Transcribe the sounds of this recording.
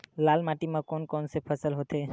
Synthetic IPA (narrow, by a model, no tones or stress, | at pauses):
laːlmaʈimãkɔnkɔnsepʰəsəlɦot̪e